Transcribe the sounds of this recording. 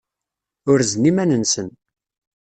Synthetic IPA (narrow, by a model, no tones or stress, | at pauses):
ʊɾznimænənsən